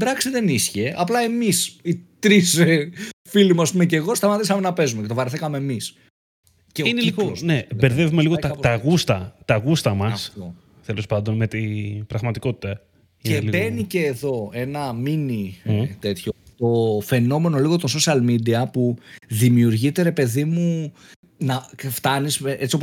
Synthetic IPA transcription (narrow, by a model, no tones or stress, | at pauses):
bɾɐksiðe̞nisçeʔɐplɐe̞misit̪ɾisefilimuɐspumece̞ɣo̞st̪ɐmɐt̪isɐmenɐpe̞zumect̪ovɐɾθikɐme̞ːmis | ceineiɣoosnebeɾðe̞vumeliɣoɐt̪ɐɣust̪ɐt̪ɐɣust̪ɐmɐsft̪o | t̪elo̞spɐnd̪o̞nme̞t̪ib̥ɾɐɣmɐt̪iko̞t̪i̥t̪ɐ | iebe̞nice̞ːðo̞e̞nɐminit̪e̞t̪çot̪o̞fe̞no̞me̞no̞liɣot̪onso̞sɐlmid̪iɐpuðimiuɾʝit̪e̞ɾe̞pe̞ðimu | nɐft̪ɐniseʔe̞t͡sio̞po